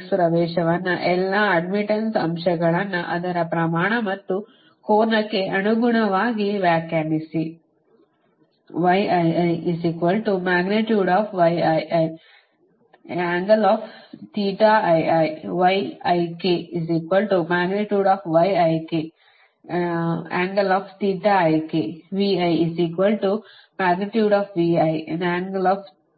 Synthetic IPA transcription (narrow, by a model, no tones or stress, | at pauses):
spɾɐʋɛːʃɐʋɐnːɐʔɛlːaːɐɖmiʈɐnsɐmʃɐɡɐɭɐnːuʔɐd̪ɐɾɐpɾɐmaːɳɐmɐt̪ːu | koːɾnɐkːe̞ɐnuɡuɳɐʋaːɡiʋjaːkjaːnisi | ʋɐjʔɐjɐjiziːkʋɐlʈumaːɡneʈjuːɖaːfʋɐjɐjʔɐj | aːŋɡɐlɔːft̪iːʈaʔɐjʔɐjʋɐjɐjkiiziːkʋɐlʈumaːɡneʈjuːɖɔːfʋɐjɐjki | aːŋɡɐlɔːft̪iːʈaːɐjkiʋiːɐjiziːkʋɐlʈu | maːɡniʈjuːɖɔːfʋiːɐjnaːŋɡɐlɔːf